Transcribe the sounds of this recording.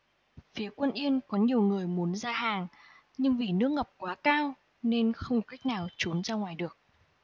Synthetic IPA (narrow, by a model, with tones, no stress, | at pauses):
fi˨˦kwə˧nʔi˧ənkɔ˨˦ɲi˨˩əwŋɨ˨˩əjmu˨˦ənzaː˧haː˨˩ŋ | ɲɨ˧ŋvi˨˩nɨ˦˥ək̚ŋə˨˩wk͡p̚kwaː˨˦kaː˧w | ne˧nxə˧wŋ͡mka˦˥jk̟̚naː˨˩wt͡ɕu˨˦nzaː˧ŋwaː˨˩jɗɨ˨˩ək̚